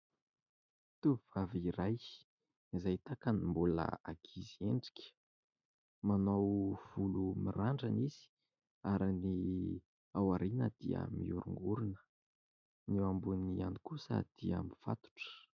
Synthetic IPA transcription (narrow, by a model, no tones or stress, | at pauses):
t̪uviv̥aviɾaj | izajt̪akanimbulə̰aɡʰizieɳɖ͡ʐi̥kʲə̥ | manowv̥ulumiraɳɖ͡ʐaniz̥i̥ | aɾini | awaɾinəd̪̥ḭə̰mḭuɾṵŋɡuɾunə̥ | newambunianikusə̰d̪̥iəmifa̰t̪u̥ʈ͡ʂə̥